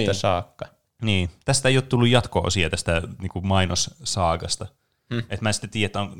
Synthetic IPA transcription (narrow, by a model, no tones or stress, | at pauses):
t̪æsɑːkːɑ | niːt̪æst̪æeijoˑːt̪t̪ulːujjɑt̪ko̰ːsiet̪æst̪æniːŋkumɑinossɑːkɑst̪ɑ | et̪mæːsi̥t̪ːæt̪iːjæet̪ːæon